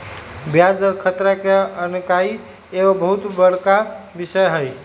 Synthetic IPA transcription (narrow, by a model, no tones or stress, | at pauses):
bjad͡ʒɔɾkʰət̪ɾakeənkai | eobəɦut̪bəɽ̤kabisəjɦəj